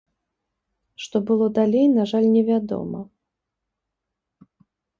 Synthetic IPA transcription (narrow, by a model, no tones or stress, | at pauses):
ʂt̪ɔbɨlˠɔd̪alʲejnaʐalʲnʲɛvʲad̪ɔ̰mɐ̰